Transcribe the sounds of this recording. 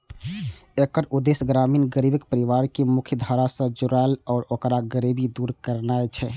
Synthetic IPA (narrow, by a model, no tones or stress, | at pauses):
ekəɾud̪esɡɾaminɡəɾibəkpəɾiʋaɾkemukʰjəd̪ʱəɾasə̃d͡ʒuɾaelɔːɾokɾaɡəɾibid̪uɾkəɾnaet͡ʃʰɛ